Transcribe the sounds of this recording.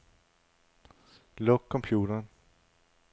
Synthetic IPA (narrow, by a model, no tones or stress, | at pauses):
lɔkʰːɔmpʰjuːɾəɳ